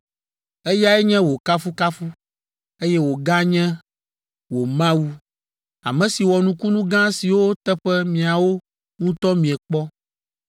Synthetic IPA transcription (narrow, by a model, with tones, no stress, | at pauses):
e˦ja˦ɛ˦ɲɛ̃˦wo˨ka˦fu˦ka˦fu˦ | e˦jɛ˦wo˨ɡã˦ɲɛ̃˦ | wo˨mã˦wu˦ | a̰˨mɛ̃˨si˨wɔ˨nũ˦ku˦nũ˦ɡã˦si˨wo˦t̪ɛ˦ɸɛ˦mĩ˨a˨wo˦ | ŋũ˦t̪ɔ˦mĩ˨ɛ˨k͡pɔ˦